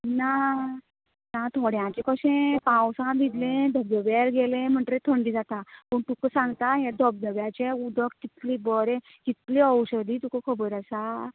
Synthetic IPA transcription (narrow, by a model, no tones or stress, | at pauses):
na | nat̪ʰoɽjãt͡ɕekəɕẽpãwsãd̪ʱid̪lẽd̪ʱəbjəʋjeɾɡelẽm̤əɳʈɾet̪ʰəɳɖiːd͡zat̪apəɳt̪ukəsãŋɡt̪ajad̪ʱəb̚d̪əʋjat͡ɕeud̪ʱəkkit̪libəɾẽ | kit̪liəwɕəd̪iːt̪ukəkʰəbəɾəsa